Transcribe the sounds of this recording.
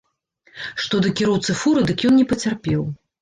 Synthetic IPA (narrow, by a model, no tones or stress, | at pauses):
ʂt̪ɔd̪ɨkʲiɾɔwt̪sɨfuɾɨd̪ɨkjɔnnʲɛpɐt͡sʲarpʲɛw